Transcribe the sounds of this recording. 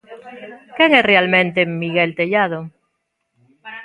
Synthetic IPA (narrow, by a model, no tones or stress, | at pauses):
keŋesrealmẽnt̪emiɣelt̪eʎað̞o